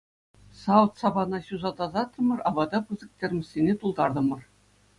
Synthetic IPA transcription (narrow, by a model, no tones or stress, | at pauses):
sɑwt̪sɑbɑnɑɕuzɑd̪ɑzɑt̪ːɤ̆mɤ̆rɑbɑd̪ɑpɯzɤ̆k̚tʲerʲmʲɘ̆sʲːenʲet̪ulˠd̪ɑrd̪ɤ̆mɤ̆r